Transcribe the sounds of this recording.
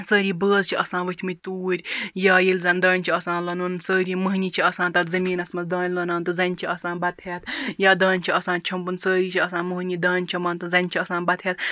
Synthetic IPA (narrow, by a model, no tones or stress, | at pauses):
səːɾiːbəːzt͡ʃʰiʔɐsãːnʋɨt̪ʰmɨt̪uːɾʲjaːjilʲzɐnd̪ɐːnʲt͡ʃʰiɐsãːnlɐnunsəːɾiːmɐɦnit͡ʃʰiɐsãːnt̪ɐɾzɐmiːnɐsmɐzd̪ɐːnʲlɐnaːnt̪ɨzɐnʲt͡ʃʰiɐsãːnbɐt̪ʰɦʲeːt̪jaːd̪ɐːnʲt͡ʃʰiɐsãːnt͡ʃʰɐmbunsəːɾiːt͡ʃʰiɐsaːnmɐɦnʲid̪ɐːnʲt͡ʃʰimaːnt̪ɨzɐnʲt͡ʃʰiɐsãːnbɐt̪ʰɦʲet̪̚